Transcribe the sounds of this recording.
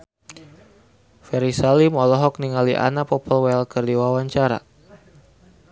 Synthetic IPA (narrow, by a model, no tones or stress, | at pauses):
fɛɾisalimɔlɔɦɔk̚niŋaliʔa̰napɔpəlwɛlkərdiwawaɲt͡ʃaɾa̰